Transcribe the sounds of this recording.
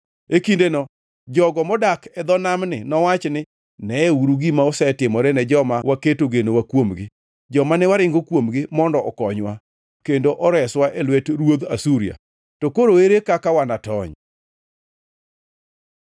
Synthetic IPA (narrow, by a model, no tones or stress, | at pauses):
ekindenɔ | d͡ʒɔɡɔmɔdakɛd̪ɔnamnɪnɔwat͡ʃnɪ | nɛeuɾuɡimaɔsɛtɪmɔɾɛnɛd͡ʒɔmawaketoɡenowakwomɡɪ | d͡ʒɔmanɛwaɾɪŋɡokwomɡɪmɔndɔʔɔkɔɲwa | kendoʔɔɾɛswaʔɛlwɛtɾwod̪a̰suɾia̰ | tokoɾoeɾekakawanatɔɲ